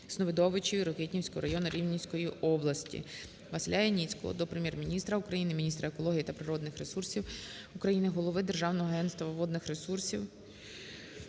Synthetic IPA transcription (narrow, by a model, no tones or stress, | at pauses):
z̥nɔʋɪd̪ɔʋɪt͡ʃɔjiɾɔketʲnʲiwsʲkɔɦɔɾɐjɔnʊɾʲiwnʲiwʲsʲkɔjiɔblˠɐsʲtʲḭ | ʋɐsɪlʲajɛnʲit͡sʲkɔ̰ɦɔ̰d̪ɔpɾemʲjɛrmʲinʲist̪ɾɐukɾɐjinɪmʲinʲist̪ɾɐekɔlˠɔɦʲijit̪ɐpɾɪɾɔd̪nɪxɾesursʲiw | ukɾɐjinɪɦɔlˠɔʋɪd̪erʒɑwnɔɦɔɐɦɛnst̪ʋɐʋɔd̪nɪxɾe̞sursʲiw